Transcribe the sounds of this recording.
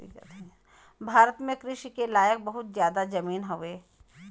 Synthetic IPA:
ḭkə̰t̪ | bʱaːɾət̪mẽkɾɪʃikelaːjək̚bɐɦʊt̪zjaːd̪ad͡ʒɐmiːnɦoʋeː

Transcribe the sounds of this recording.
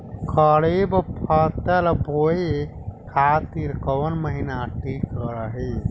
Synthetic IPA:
kəɽebpʰət̪əlboi | kʰat̪iɾkəwənməɦinaʈikːəɾəɦi

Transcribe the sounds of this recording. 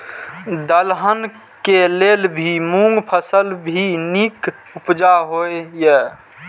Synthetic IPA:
d̪əlɦən | kelelbʱimũŋɡpʰəsəlbʱinik | upd͡ʒaɦojje

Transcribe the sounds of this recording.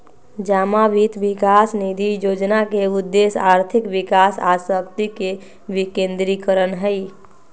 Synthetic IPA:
d͡ʒamaʋit̪ʋikasnid̪ʱijod͡ʒnakeud̪ːesaɾt̪ʰikʋikasasəkt̪ike | bikẽnd̪ɾikəɾənɦəj

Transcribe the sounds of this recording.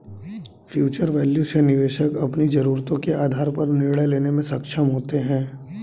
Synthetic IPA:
fʰjuːt͡ʃəɾʋɛːljuʃenɪʋeːʃəkɐpnid͡ʒɐɾuːɾt̪õkeaːd̪ʱaːɾpɐɾnɪɾɽəjleːnemẽsɐkʃʰəmɦoːt̪eɦɛ̃ː

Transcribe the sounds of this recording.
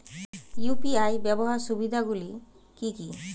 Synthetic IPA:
jupiajbɛboɦaɾsubid̪ʱaɡuli | kiki

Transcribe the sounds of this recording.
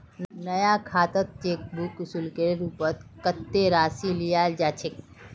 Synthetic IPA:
nnəjakʰaːt̪ət̪̚t͡ʃek̚buksulkeɾɾupət̪kət̪ːeɾasilijald͡ʒat͡ʃʰek

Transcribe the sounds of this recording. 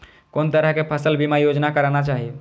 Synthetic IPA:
kont̪əɾəɦkepʰəsəlbimajod͡ʒnakəɾanat͡ʃaɦi

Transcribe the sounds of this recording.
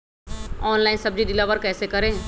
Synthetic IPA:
ɔːnlaːɪnsɐb̚d͡ʒiɖɪlaʋəɾkɛːsekɐɾẽː

